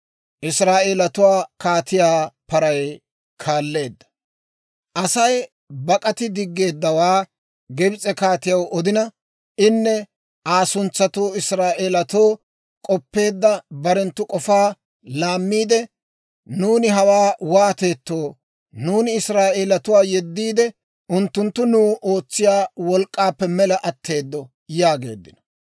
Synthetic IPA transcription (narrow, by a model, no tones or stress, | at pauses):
ʔɪsɾaːʔeːlɐt̪ʊwaːkaːt̪ɪjaːpɐɾɐj | kʰaːlːe̞ːd̪ːɐ̥ | ʔɐsɐj | bɐkʼɐt̪ɪd̪ɪɡːe̞ːd̪ːɐwaː | ɡɛbɪt͡sʼɛkaːt̪ɪjɐwʔɔd̪ɪnɐ | ʔɪnːɛ | ʔaːsʊnt͡sːɐt̪oːɪsɾaːʔeːlɐt̪o̞ː | kʼɔpːe̞ːd̪ːɐbɐɾɛnt̪ːʊkʼɔfaː | laːmːiːd̪ɛ | nuːnɪɦɐwaːwaːt̪e̞ːt̪ːo̞ː | nuːnɪɪsɾaːʔeːlɐt̪ʊwaːjɛd̪ːiːd̪ɛ | ʊnt̪ːʊnt̪ːʊnuːʔo̞ːt͡sːɪjaːwɔlkʼːaːpːɛmɛlɐʔɐt̪ʰːe̞ːd̪ːɔ | jaːɡe̞̰ːd̪ːɪnɔ̥